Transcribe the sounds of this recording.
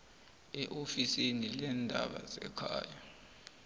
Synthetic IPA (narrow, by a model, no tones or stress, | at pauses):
ɛʔofisinilɛndʱa̰ɓa̰zɛkʰa̰ːja